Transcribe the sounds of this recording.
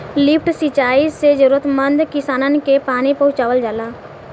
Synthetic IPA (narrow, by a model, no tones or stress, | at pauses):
lɪpʰʈsit͡ʃaːised͡ʒəɾuːɾət̪mə̃nd̪kɪsaːnənkepaːnipɐɦʊ̃t͡ʃaːʋəld͡ʒaːlaː